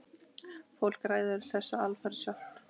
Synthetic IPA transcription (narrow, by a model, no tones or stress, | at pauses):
fowl̥kɾaːjðʏɾɪ̥θɛsːaalfaɾsjaht̪